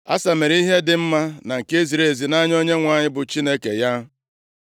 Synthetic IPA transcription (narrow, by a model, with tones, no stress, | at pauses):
a̰˦sa˨me˨ɾi˦ɦe˦dɪ˨m̩˦ma˦na˨ŋ̩˨ke˦zi˨ɾe˨e˨zi˨na˦ɲ˦ɔ˦ɲe˦ŋʷa˨ɲɪ˦bʊ˨t͡ʃi˦ne˦kḛ˨ja˦